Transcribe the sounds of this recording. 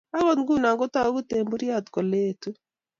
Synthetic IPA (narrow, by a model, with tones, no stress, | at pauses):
a˦ɣɔ˦tɡu˦˨na˨ŋɡo˦ta˦ɡu˦te˨mbu˦ɾja˦˨tkɔ˨le˦˨tu˦